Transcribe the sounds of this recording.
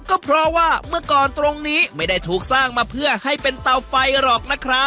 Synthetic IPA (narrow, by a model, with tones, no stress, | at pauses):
kɔː˥˩pʰɾɔː˧waː˥˩mɯ˥˩ɐkɔː˨˩nt̪ɾo˧ŋniː˦˥ma˥˩jda˥˩jt̪ʰuː˨˩k̚saː˥˩ŋmaː˧pʰɯ˥˩ɐha˥˩jpe˧nt̪a˧wfa˧jɾɔː˨˩k̚na˦˥kʰɾa˦˥p̚